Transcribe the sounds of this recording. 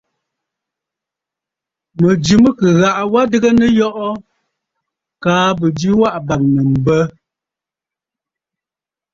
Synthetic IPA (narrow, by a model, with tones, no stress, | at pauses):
mə˨d͡ʒi˨mə˦kə˨ɣa˨ʔwa˦də˦ɡə˦nə˦jɔ˦ʔɔ˦ | kaː˨˦bə˨d͡ʒi˦wa˦ʔba˨ŋ̚nə˨m̩˨bə˦